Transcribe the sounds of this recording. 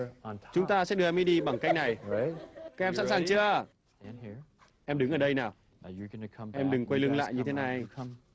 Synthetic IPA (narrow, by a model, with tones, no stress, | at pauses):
t͡ɕʊ˨˦ŋ͡mt̪aː˧sɛ̰˧˥ɗɨ˧ə˨ɛ˧mi˦ɗi˧ɓaː˧˩ŋka˦˥jk̚na˨˩j | ka˦˥k̚ʔɛ˧msa̰˧˥nsaː˨˩ŋt͡ɕɨ˧ə | ʔɛ˧mɗɨ˨˦ŋʔəː˨˩ɗə˧jnaː˨˩wʰ | ʔɛ˧mɗɨ˨˩ŋkwə˧jlɨ˧ŋla̰ː˧˨jɲɨ˧t̪ʰe˨˦na˨˩jʰ